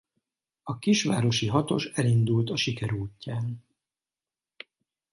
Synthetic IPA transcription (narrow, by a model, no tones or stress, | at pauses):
ɒkiʃʋa̰ːɾo̞ʃiɦɒt̪o̞̰ʃɛlind̪ult̪ɒʃikɛɾuːcːaːn